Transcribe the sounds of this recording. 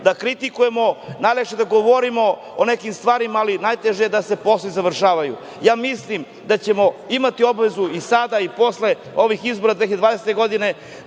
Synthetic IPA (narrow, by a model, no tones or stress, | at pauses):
d̪akɾit̪ikuje̞mo̞najlekʃed̪aɡoʋo̞ɾimo̞ | one̞kimst̪ʋaːɾimaːlinajt̪eʒejed̪ase̞po̞slˠizaʋr̩ʃaːʋajṵ | jaːmislim | d̪at͡ɕemo̞imat̪io̞bʋe̞zuisad̪aipo̞sle̞ | oʋixizbo̞ɾad̪veed̪vaːd̪eset̪eɡo̞d̪ine̞